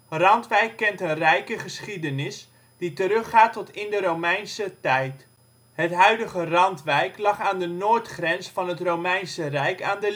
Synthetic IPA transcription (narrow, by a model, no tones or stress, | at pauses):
rɑntʋɛjkːɛntənrɛjkəχəsχidənɪs | d̥itəɾɵχaːtɔtɪndəɾowmɛjnsətɛjt | hətɦœɥdəχərɑntʋɛjklɑχaːndənoːɹtχrɛnsfɑnɦətrowmɛjnsərɛjkaːndə